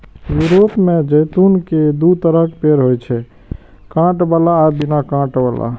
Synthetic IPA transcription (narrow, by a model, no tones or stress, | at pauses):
juɾopmed͡ʒəjt̪unked̪ut̪əɾəkpeɾɦojt͡ʃʰɛ | kãʈbalaːbinakãʈbala̰